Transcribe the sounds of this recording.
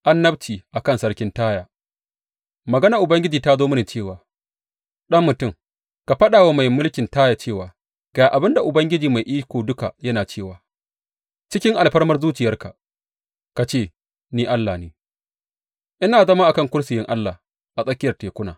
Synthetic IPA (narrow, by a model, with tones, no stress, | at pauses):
ʔa˦nːɐ˦bt͡ʃiː˨ʔa˨kɐ˦nsɐ˦rkʲɪ˦ntaː˦jaː˨ | mɐ˨ɡɐ˦na˨ʔʊ˨bɐ˦ŋɡʲɪ˦d͡ʒiː˨ta˦zoː˦mɪ˦ni˨t͡ʃeː˦˨waː˨ | ɗɐ˦mːʊ˨tʊ˦˨ŋ | ka˨ɸɐ˦ɗaː˨wa˦ma˨jmʊ˦lkʲɪ˨ntaː˦ja˨t͡ʃeː˦˨waː˨ | ɡ̥aː˨ʔa˨bɪ˦nda˨ʔʊ˨bɐ˦ŋɡʲɪ˦d͡ʒiː˨ma˨jʔiː˦kʷoː˨dʊ˦ka˨jɐ˦naː˨t͡ʃeː˦˨waː˨ | t͡ʃɪ˦kʲɪ˦ŋʔa˨lɸɐ˦rmɐ˦rzuː˦t͡ʃɪ˨jɐ˦rka̰˨ | ka˨t͡ʃeː˦˨ | niː˦ʔa˦lːa˨neː˨ | ʔɪ˦naː˨zɐ˦ma˦ʔa˨kɐ˦ŋkʷʊ˦ɽsɪ˨jɪ˦ŋʔa˦lːa˨ | ʔa˨sʼɐ˦kʲɪ˦jɐ˨rteː˨kʷʊ˦na̰ː˨